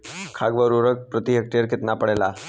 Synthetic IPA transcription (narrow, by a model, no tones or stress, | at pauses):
kʰaɡʋəɾoɾək̚pɾət̪iɦəkʈijəɾket̪napəɽela